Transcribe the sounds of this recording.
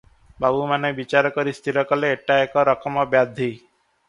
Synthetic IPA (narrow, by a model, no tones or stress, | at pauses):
babumanebit͡ʃaɾɔkɔɾist̪ʰiɾɔkɔleeʈaekɔɾɔkɔmɔbjad̪ʱi